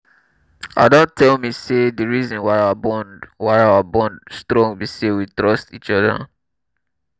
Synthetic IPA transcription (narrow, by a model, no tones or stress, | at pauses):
aɪdɔ̃ntʰɛlmisedəɹizɔ̃nwaɪawabɔ̃nwaɪawabɔ̃ndstɹɔ̃ŋbisewitɹɔstit͡ʃɔðə̰